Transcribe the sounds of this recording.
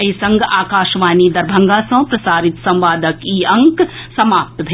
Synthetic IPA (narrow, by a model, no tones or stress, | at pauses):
ɐɦisɐ̃ŋɡaːkaːʃʋaːnid̪ɐɾbʱɐ̃ŋɡaːsɐ̃ːpɾɐsaːɾɪt̪sɐ̃mʋaːd̪əkiɐ̃ŋksɐmaːp̚t̪bʱ